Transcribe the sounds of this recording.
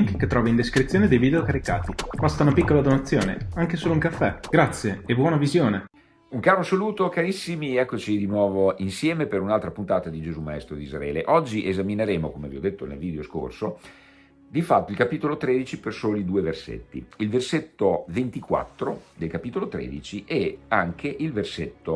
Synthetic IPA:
ŋkeket̪ːɾɔːvaind̪eskɾit̪ːjoːned̪ejvid̪eokaɾika̰ːt̪ipɔst̪aunapikːolad̪onat̪sːjoːnḛaŋkesoːlouŋkafːɛɡɾat̪sːjeebwɔːnavizjoːne | uŋkaːɾosaluːt̪okaɾisːimiɛkːot͡ʃid̪inwɔːvoinsjɛːmepeɾunalt̪ɾapunt̪aːt̪ad̪id͡ʒezumaɛst̪ɾod̪izɾa̰ɛːleʔɔd͡ʒːiʔezamineɾeːmokomeviɔd̪ːet̪ːonḛlviːd̪eosko̰rso | d̪ifat̪ːoilkapiːt̪olot̪ɾeːd̪it͡ʃipersoːlid̪uːeversḛt̪ːḭilverset̪ːovent̪ikwa̰t̪ːɾod̪elkapit̪olot̪ɾḛːd̪it͡ʃiʔɛaŋkʰeʔilverset̪ːo

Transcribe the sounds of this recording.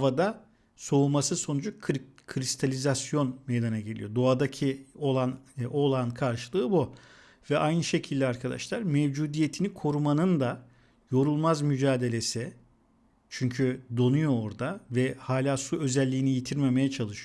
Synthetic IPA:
vad̪a | so̞umasɯso̞nud͡ʒukkʰɾist̪ʰalʲizasjo̞nmejd̪anaɟe̞lʲḭjo̞d̪o̞ad̪acʰio̞lˠano̞lˠankʰaɾʃɯlˠɯːbu | vɛʔajnɯʃe̞cʰilʲd̪ʲɛaɾkʰad̪a̰ʃlˠaɾmɛvd͡ʒuːd̪ije̞t̪ʰinikʰo̞ɾumanɯnd̪a | jo̞ɾulˠmazmyd͡ʒaːd̪e̞lʲe̞sɪ | t͡ʃʰyɲcʰyd̪o̞nujo̞ːɾd̪avɛhaːlʲaːsuø̞zɛlʲːiːnijit̪ʰiɾme̞me̞jɛt͡ʃʰalˠɯʃɯo

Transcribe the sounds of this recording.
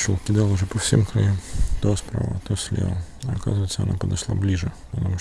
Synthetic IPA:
ʂolˠkʲɪd̪alˠʊʐɛpɐfsʲemkɾɐjumt̪ospɾa̰və̰t̪osʲlʲḛlˠ | ɐka̰zvəjt̪səɐna̰pəd̪ɐʂlˠa̰blʲiʐɨ | pət̪ɐmuʂ

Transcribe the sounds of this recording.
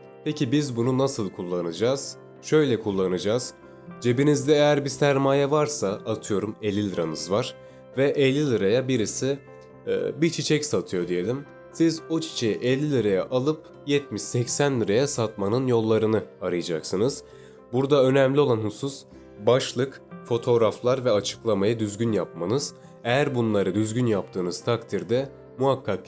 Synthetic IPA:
pʰecʰibizbununasɯlˠkʰulˠːanɯd͡ʒaːz̥ | ʃø̞jlʲɛkʰulˠːanɯd͡ʒaːz̥ | d͡ʒe̞binizd̪ɛejæɾbisæɾmaːjɛvaɾsaat̪ʰɯjo̞ɾumelʲːilʲˠɯɾamɯzvaɾ̥ | vɛʔɛlʲːilʲˠɯɾajabiɾisḭ | bit͡ʃʰit͡ʃʰɛcsat̪ʰɯjo̞d̪ije̞lʲim | sizo̞t͡ʃʰi̥t͡ʃʰe̞jiʔelʲːilʲɯɾajaʔalˠɯp̚ | jɛt̪miʃsɛcsænlʲˠɯɾajasat̪manɯnjo̞lˠːaɾɯnɯaɾɯjad͡ʒaksɯnɯz̥ | buɾd̪aø̞nɛmlʲio̞lˠanhusus | baʃlˠɯk | fo̞t̪ʰo̞ɾaflˠaɾvɛat͡ʃʰɯ̥klˠamajad̪yzɟʲynjap̚manɯz̥ | ejæɾbunlˠaɾɯd̪yzɟynjap̚t̪ʰɯːnɯz̥t̪ʰakt̪ʰiɾd̪ɛ | muɦakʰːak

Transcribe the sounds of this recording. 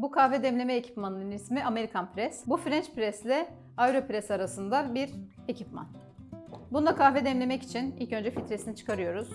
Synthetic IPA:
bukʰahvɛd̪ɛmlʲe̞mɛecʰi̥pmanɯnɯnismiame̞ɾikʰanpɾɛsbufɾɛnt͡ʃpɾɛslʲɛ | ajɾopɾɛsaɾasɯnd̪abiɾ | e̞cʰipma̰n | bunud̪akʰahvɛd̪ɛmlʲe̞mɛci̥t͡ʃʰinḭlʲcø̞nd͡ʒɛfit̪ɾesinit͡ʃʰɯ̥kʰaɾɯjo̞ɾuz̥

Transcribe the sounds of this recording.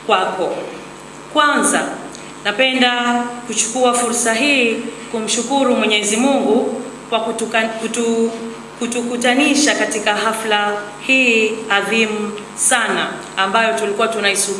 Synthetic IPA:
kwakɔ | kwanza | napɛndakut͡ʃu̥kuafuɾsaɦiːkum̩ʃukuɾumwɛɲɛzimuŋɡu | kwaku | kutukutaniʃakatikaɦafla | hiːaðimu | sanaː | mbajɔtulikuwatunaisu

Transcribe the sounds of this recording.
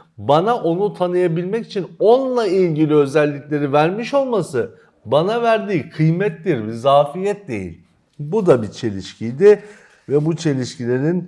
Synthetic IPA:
banaʔo̞nut̪ʰanɯjabilʲmɛci̥t͡ʃʰino̞nlˠailʲɟilʲiø̞zɛlʲːicʲlʲe̞ɾivæɾmiʃo̞lˠmasɯ | banavæɾd̪iːkʰɯjmɛt̪ːiɾvizaːfijɛt̪̚d̪e̞̰jḭlʲ | bud̪abit͡ʃʰe̞lʲiʃcʰijd̪ɪ | vɛbut͡ʃʰe̞lʲiʃcilʲe̞ɾin

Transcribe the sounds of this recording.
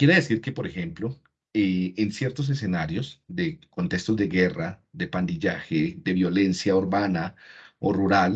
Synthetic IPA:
kjeɾeðesiɾke̞po̞ɾe̞xe̞mplo | eːnsje̞ɾt̪o̞s̬es̬e̞naɾjo̞sd̪e̞ko̞nt̪e̞kst̪o̞zd̪e̞ɣe̞rad̪e̞pand̪iʝaxed̪eβjo̞le̞nsjauɾβanaoruɾal

